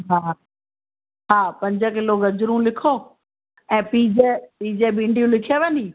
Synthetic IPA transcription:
ɦaː | ɦaːpɐ̃ɲd͡ʑəkɪloɡɐd͡ʑɾũlɪkʰoː | ɛ̃ːpiːd͡ʑepiːd͡ʑebĩːɳɖʱijũlɪkʰeʋə̃niː

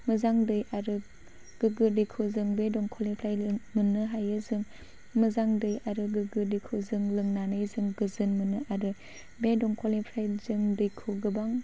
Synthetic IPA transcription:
mɯzaŋdɯjʔaɾɯ | ɡ̥ɯɡɯdɯjkʰɯzɯŋbedɔŋkʰɔlipʰɾajmɯnɯɦajɯzɯŋ | mɯzaŋdɯjaɾɯɡɯɡɯdɯkʰɯzɯŋlɯŋnanɯjzɯŋɡɯzɯnmɯnɯʔaɾɯ | bedɔŋkʰɔlipʰɾajzɯŋdɯjkʰɯɡɯbaŋ

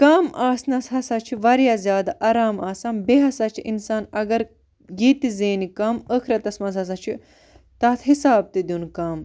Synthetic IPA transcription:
kaːmaːsnɐsɦɐsaːt͡ʃʰiʋɐɾjaːzʲjaːd̪aʔɐːɾaːmaːsɐːmbeɦɐsaːt͡ʃʰiʔinsaːnɐɡɐɾ | jeːt̪izeːnikɐːməkʰɾɐt̪ɐsmɐzɐs̬ɐt͡ʃʰi | t̪ɐːt̪ʰɦisaːb̚t̪id̪junkaːm

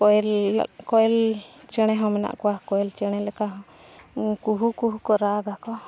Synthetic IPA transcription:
kɔɛl̰kɔɛlt͡ʃəɽ̃ɛɦɔ̃mɛna̰ʔkɔwakɔɛlt͡ʃəɽ̃ɛlɛkaɦɔ̃ | kuɦukuɦukɔɾaɡakɔ

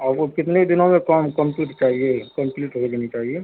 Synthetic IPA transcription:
ɔːɾokɪt̪ned̪ɪnõmẽkəmkə̃mpuːʈt͡ʃaːɦiekə̃mpliːʈɦod͡ʒanit͡ʃaːɦie

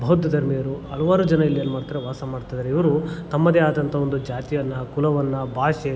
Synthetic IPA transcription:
bʱɐɦud̪ʱɐd̪ɐɾmejɐɾuɐɭɐʋaːɾud͡ʒɐnɐilːijɐnːumaːɽt̪ɐɾeʋaːsɐmaːɽɖt̪aːjd̪ɐɾeiʋɐɾut̪ɐmːɐd̪eaːd̪ɐnt̪ʰɐo̞nd̪ud͡ʒaːt̪ijɐnːɐkulɐʋɐnːɐbʱaːʃe

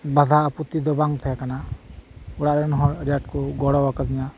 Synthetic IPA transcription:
bad̪ʱaːput̪id̪ɔbaŋt̪ʰɛɛkana | uɽaʔɾɛnɦɔɾijaʈ̚kɔɡɔɽɔwakad̪iɲa

